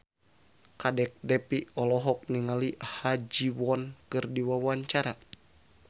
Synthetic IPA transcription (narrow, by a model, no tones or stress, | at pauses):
kadɛk̚dɛpiɔlɔɦɔk̚niŋalihad͡ʒiwɔnkɨrdiwawaɲt͡ʃaɾa